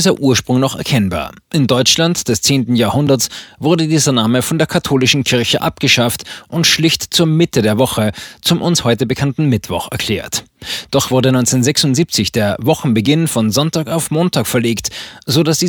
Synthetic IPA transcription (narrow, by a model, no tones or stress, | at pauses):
izɐʔuːɐʃpʁ̥ʊŋnɔχɛ̰ɐkʰɛnba̰ːɐ | ʔɪndɔʏt͡ʃlantd̥ɛst͡seːntn̩jaːɐhʊndɐsvʊɐdədiːzɐnaːməfɔndeːɐkʰatʰoːlɪʃn̩kʰɪɐçəʔap̚ɡ̥əʃaftʔʊntʃlɪçtt͡suːɐmɪtədeːɐvɔχət͡sʊmʔʊnshɔʏtəbəkʰantn̩mɪtv̥ɔ̰χɛɐkʰl̥ɛ̰ːɐtd̥ɔχv̥ʊɐdənɔʏnt͡sɛnzɛksʊntz̥iːp̚t͡sɪçd̥eːɐvɔχn̩bəɡɪnfɔnzɔntaːkaʊfmoːntʰaːkfɛɐleːktz̥oːdasd̥iː